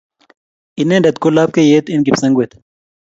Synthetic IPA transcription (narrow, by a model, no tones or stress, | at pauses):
inẽːɖɐd̪kolaːp̚kejeːt̪inɡipsɐŋɡwet̪